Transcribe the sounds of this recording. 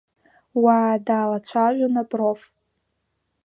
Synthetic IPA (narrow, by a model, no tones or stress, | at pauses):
waːdaːlat͡ɕʷʰaʒʷᶣanapʼrof